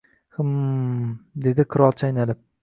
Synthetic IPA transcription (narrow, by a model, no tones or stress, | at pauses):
hɨm | d̪e̞d̪ɪqʰɨɾɒlˠt͡ʃʰajnalɪp̚